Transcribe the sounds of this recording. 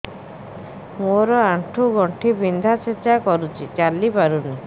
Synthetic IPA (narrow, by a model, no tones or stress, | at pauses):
moɾɔaɳʈʰuɡɔɳʈʰibind̪ʱat͡ʃʰet͡ʃːakɔɾut͡ʃʰit͡ʃalːipaɾuni